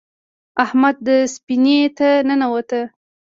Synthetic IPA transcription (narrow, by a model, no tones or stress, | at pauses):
ahmad̪̚ːəspinet̪anənawat̪ə